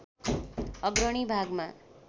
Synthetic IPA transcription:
ʌɡɾʌɽ̃ibʱaɡma

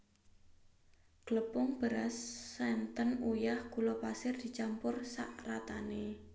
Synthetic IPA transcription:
ɡ̥ələpʊŋb̥əɾasːɛnt̪ənujahkulɔpasɪrd̪̥i̤t͡ʃampʊrsa̰ʔrat̪ane

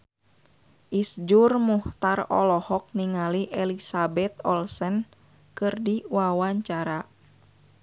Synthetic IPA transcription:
ʔisd͡ʒurmuht̪arɔ̰lɔhɔk̚niŋaliʔɛlisabɛt̪ɔlsən | kɨrdiwawaɲt͡ʃaɾa

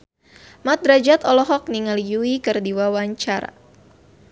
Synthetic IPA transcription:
mat̪̚ɾad͡ʒat̪ɔlɔɦɔk̚niŋalijuikɨrdiwawaɲt͡ʃaɾa̰

